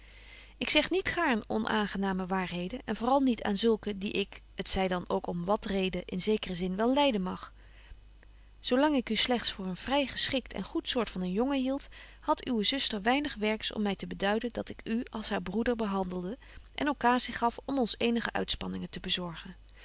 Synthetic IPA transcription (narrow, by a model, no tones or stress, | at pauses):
ɪksɛχnitχaːɹnɔ̰nʔa̰ːnχənaːməʋaːɹɦejdənɛnvʊːrɑlˠnitʰa̰ːnzɵlˠkədiʔɪk | ətsɛjdɑnowkɔmʋɑtrejdəʔɪnzejkərəzɪnʋɛlˠɛjdənmɑχ | sowlɑŋɪkyslɛχtsfʊːɹənv̥rɛjχəsχɪktʰɛ̰nχutsʊːɹtfɑnənjɔŋəɦilˠt | hɑtʰywəzɵstəɹʋɛjnəχʋɛɹksɔ̰mːɛjtəbədœɥdəndɑtɪkyɑlˠsɦaːɹbrudəɹbəɦɑndəlˠdə | ʔɛ̰nowkaːziχɑfɔmɔnsejnəχə̰ʔœ̰ɥtspɑnɪŋəntəbəzɔɹχən